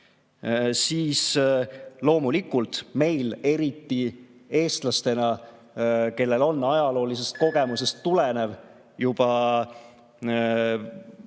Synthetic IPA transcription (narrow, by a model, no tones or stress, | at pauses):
siːs | lo̞ːmulikult̪me̞jle̞ɾit̪ːie̞ːst̪lɑst̪e̞nɑ | ke̞lːe̞lo̞nːɑjɑlo̞ːlis̬e̞st̪̚ko̞ɡ̥e̞muse̞st̪ːulene̞v | jub̥ɑ